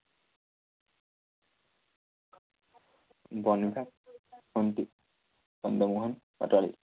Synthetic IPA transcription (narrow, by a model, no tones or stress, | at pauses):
bɔnibʱa | ɔnt̪i | bɔnd̪ɔmuɦɔn | ɔ̰talḭ